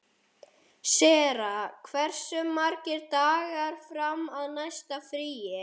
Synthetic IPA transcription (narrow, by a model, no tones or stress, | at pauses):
sɛːɾakʰvɛr̥sʏmːaɾcɪɾt̪aːɣaɾ̥fɾamaðnajst̪afɾiːjɪ